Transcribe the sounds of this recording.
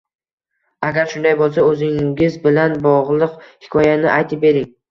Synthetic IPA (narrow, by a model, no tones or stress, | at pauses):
aɡʲaɾʃʊnd̪ajbolˠsaɵzɪŋʲɪzbɪlanbɒʁlˠɨqhɪ̥kʰɒjanɪʔajt̪ʰɪp̚be̞ɾɪŋ